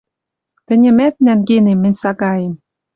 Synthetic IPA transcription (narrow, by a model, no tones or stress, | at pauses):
t̪ɘ̆nʲɘ̆mæt̪̚nænɣenemːɘ̆nʲsɑɣɑjem